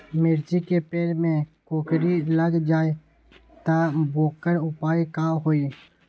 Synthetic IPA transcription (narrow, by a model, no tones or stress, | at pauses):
mɪɾd͡ʒikepeːlmẽkoːkɾiləɡd͡ʒaːe | t̪aboːkəɾʊpaːikaːɦoːi